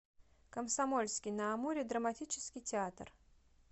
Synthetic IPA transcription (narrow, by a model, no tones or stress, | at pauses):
kəmsɐmolʲskʲɪjnəːmuɾʲɪd̪ɾəmɐtʲit͡ɕɪ̥skʲɪjtʲɪat̪r